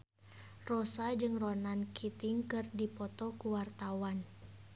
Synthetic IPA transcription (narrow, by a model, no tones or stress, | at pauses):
rɔsad͡ʒɨŋrɔnankʰit̪iŋkɨrdipɔt̪ɔkuwart̪awan